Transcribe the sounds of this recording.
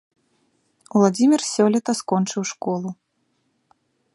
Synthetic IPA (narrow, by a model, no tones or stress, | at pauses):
uwlˠad͡zʲimʲirsʲɔlʲɛt̪ɐskɔnt͡ʂɨwʂkɔlˠu